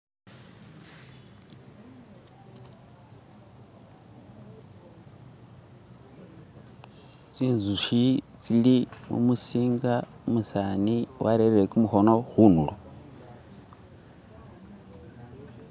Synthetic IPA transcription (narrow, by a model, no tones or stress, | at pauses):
t͡siːnzuʃit͡silimṵmusiːŋɡamusaniwʔaɾeɾiɾekumuhonohunulo